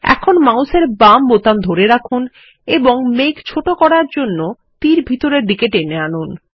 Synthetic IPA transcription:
ɛ̰kʰonmawseɾbambot̪and̪ʱoɾeɾakʰun | eboŋmekt͡ɕʰoʈokɔɽaɾd͡ʑonːo | t̪iɾbʱit̪oɾeɾɖikeʈeneanun

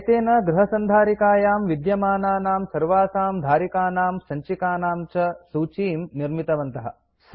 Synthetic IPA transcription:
ɐt̪eːnɐɡɾɐɦɐsɐnd̪ʱaːɾikaːjaːmʋid̪jɐmaːnaːnaːmsɐɾʋaːsaːmd̪ʱaːɾikaːnaːmsɐɲt͡ʃikaːnaːmt͡ʃɐsuːt͡ʃiːmniɾmit̪ɐʋɐnt̪ɐɦɐ̰̆

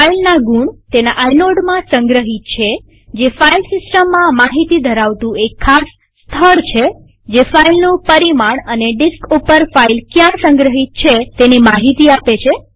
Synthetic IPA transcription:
failnaɡuɳt̪enaʔajnoɖmãsə̃ŋɡɾəɦit̪̚t͡ʃʰe | d͡ʒefailsɪsʈəmːãmaɦit̪id̪ʱəɾaʋt̪ũekʰːasː | t̪ʰəɽt͡ʃʰe | d͡ʒefailnũpəɾimaɳəneɖiskupəɾfailkjãsə̃ŋɡɾəɦit̪̚t͡ʃʰet̪enimaɦit̪iapet͡ʃʰe

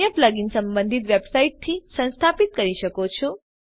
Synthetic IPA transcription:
jəplaɡinsə̃mbə̃nd̪ʱit̪ʋjebsaiʈ̚t̪ʰːisə̃nst̪ʰapit̪̚kəɾiʃəkot͡ʃʰɔ

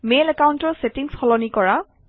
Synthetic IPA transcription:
melɛkawntɔɹsetiŋsxʰɔlɔnikɔɹa

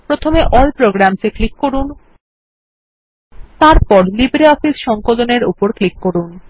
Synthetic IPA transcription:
pɾot̪ʰomeʔɔlpɾoɡɾamt͡ɕeklikːoɾun | t̪aɾpɔɾlibɾeɔfisʃɔŋkoloneɾṵpoɾklikːoɾun

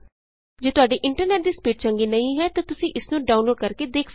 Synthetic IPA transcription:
d͡ʒeːt̪ʊaːɖiːʔɪ̃ɳʈəɾneːʈ̚d̪iːspiːʈ̚t͡ʃəŋɡiːnəĩːɦɛːt̪ãːt̪ʊsĩːʔɪsnũːɖaːʊnloːɖ̚kəɾkeːd̪eːkʰs

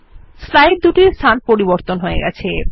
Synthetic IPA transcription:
slajɖ̚d̪uʈiɾst̪ʰanpoɾiboɾt̪onɦoeɡɛ̰t͡ɕʰe

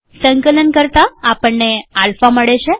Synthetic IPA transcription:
səŋkələnkəɾt̪aːpəɳːealfaməɽeɕe

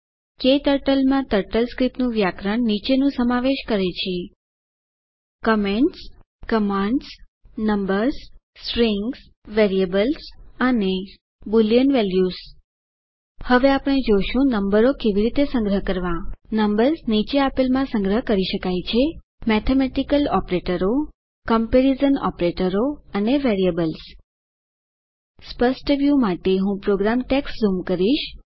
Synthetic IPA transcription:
ket̪əɾʈəlmãt̪əɾʈəlskɾipnũʋjakɾəɳnit͡ʃenũsəmaʋeʃkəɾet͡ʃʰie | kəmeɳʈs | kəmãɳɖs | nəmbəɾs | sɾiŋɡs | ʋeɾiebəlsəne | bulijənʋɛljus | həʋeapəɽ̃ed͡ʒoʃũnəmbəɾokeʋiɾit̪esə̃ŋɡɾəɦkəɾʋãnəmbəɾsnit͡ʃeapelmãsə̃ŋɡɾəɦkəɾiʃəkajt͡ʃʰe | mɛt̪ʰemɛʈikəlɔpɾeʈəɾo | kəmpeɾizənɔ̰pɾeʈəɾoəneʋeɾiəbəls | spəsʈʋjumaʈeɦũpɾoɡɾamʈekszumkəɾiʃ

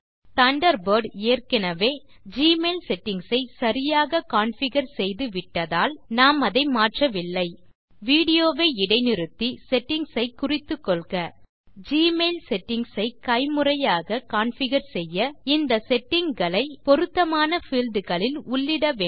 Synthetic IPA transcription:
t̪ɐɳɖɐɾboːɾɖeːrkɪnɐʋeː | d͡ʒiːmeːlsɛʈːɪŋɡsɐɪsɐɾɪjaːɣɐkaːɳfɪɣɐɾsɛjðɯʋɪʈːɐðaːlnaːmɐðɐɪmaːʈrɐʋɪlːɐɪ | ʋiːɽɪjoːʋeːɪɽɐɪnɪɾɯt̪ːisɛʈːɪŋɡsɐɪkʊrɪt̪ːɯkːɔɭɣɐ | d͡ʒiːmelsɛʈːɪŋɡsɐɪkɐɪmɯrɐjaːɣɐkaːɳfɪɣɐɾsɛjːɐɪnd̪ɐsɛʈːɪŋɡɐɭɐɪpɔɾɯt̪ːɐmaːnɐfiːld̪ɯɣɐɭɪlʊɭːɪɽɐʋeː

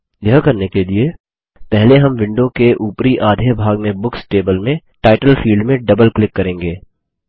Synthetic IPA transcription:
jəɦkɐɾnekelie | pɛɦleɦɐmʋɪ̃ɳɖõkeʔuːpɾiʔaːd̪ʱeːbʱaːɡmẽbʊksʈeːbəlmẽ | ʈaːɪʈəlfiːlɖmẽɖɐbəlklɪkːɐɾẽːŋɡeː

